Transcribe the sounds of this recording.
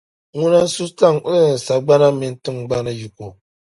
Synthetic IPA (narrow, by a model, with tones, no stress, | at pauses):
ŋu˦na˦su˦ta˦ŋu˦˨n̩˨sa˨ɡ͡ba˦na˦mɪ˨˦n˦tɨ˦ŋɡ͡ba˦nɨ˦ju˨ko˨